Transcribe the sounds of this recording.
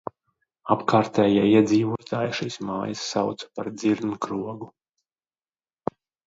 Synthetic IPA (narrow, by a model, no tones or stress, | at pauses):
apkaːɾt̪ɛːjaiɛd̪ziːvuɔt̪aːjʃiːsmaːjasːa̰wt̪sḁpaɾd̪ziɾnkɾuɔɡu